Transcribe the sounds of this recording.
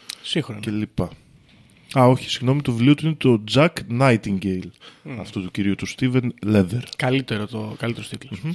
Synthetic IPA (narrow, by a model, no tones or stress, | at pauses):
sixɾone̞lipɐ | ɐo̞çi̥siɣno̞mit̪ovliot̪uine̞t̪o̞d͡zɐknɐjt̪iŋɟejlɐft̪ut̪uciɾiut̪ust̪ivenle̞ðeɾkɐlit̪eɾot̪okɐlit̪eɾost̪it̪los